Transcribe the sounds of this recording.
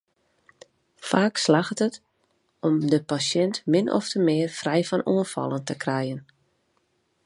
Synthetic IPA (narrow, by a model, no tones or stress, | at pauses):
faːkslaxtət | ɔmdəpasjɛntmɪnʔɔ̰ftəmɪːərfrɛjfɔnuənfɑ̰lˠəntəkrɛjən